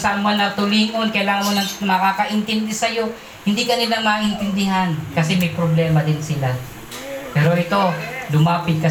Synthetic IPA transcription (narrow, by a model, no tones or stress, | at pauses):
saʔanmoanɐt̪ʊliːŋo̞nkɐjlaːŋɐnmonɐŋmɐkaːkɐʔɪnt̪ɪnd̪ɛsɐjo̞ | hɪnd̪ikɐnɪlamɐʔɪnt̪ɪnd̪ɪɦankɐsɛmɐjpɾoblɛːmɐd̪ɪnsɪla | pɛːɾoʔɪt̪o̞lʊmaːpɪt̪̚kɐ